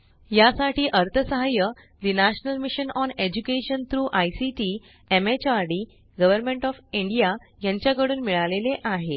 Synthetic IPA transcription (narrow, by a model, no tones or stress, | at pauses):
jasaʈʰiːʔəɾt̪ʰəsəɦajə | d̪inaɕnəlmiɕənɔned͡ʑukeɕənt̪ʰɾuːʔajsiʈi | emet͡ɕaɾɖiː | ɡəʋəɾmẽɳʈɔfiɳɖija | jãɲt͡ɕjaɡəɽuːnmiɭaleleʔaɦe